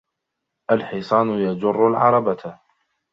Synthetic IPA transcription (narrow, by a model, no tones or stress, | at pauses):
ʔalħisˤɑːnʊjad͡ʒʊrˤːʊlʕɑ̰ɾˤɑba